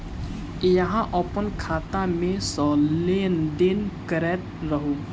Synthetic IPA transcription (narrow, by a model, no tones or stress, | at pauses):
jɐɦãʔɔpənkʰaːt̪amẽsɔːleːnd̪enkəɾɛːt̪ɾəɦoː